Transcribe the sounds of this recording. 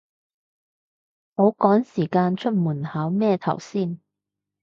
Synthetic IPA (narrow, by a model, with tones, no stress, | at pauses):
ho˨˥wkɔː˨˥ŋsiː˨˩kaː˧nt͡ʃʰɵ˥t̚muː˨˩nhaː˨˥wmɛː˥˧t̪ʰɐ̰˨˩wsiː˥˩n